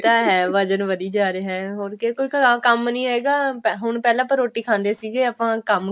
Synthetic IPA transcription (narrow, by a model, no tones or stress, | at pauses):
t̪aːɦɛːʋəd͡ʒənʋəd̪iːd͡ʒaːɾeɦɛːɦoːɾkekoːiːkkəmnĩːeːɡaːpɦʊɳpɛːlãːpəɾoːʈːiːkʰãːnd̪eːsiːɡeːəpãːkəm